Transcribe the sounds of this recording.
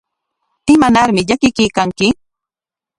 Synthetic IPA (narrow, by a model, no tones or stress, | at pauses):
ɪmanaɾmɪʎakɪkɪjkaŋkɪ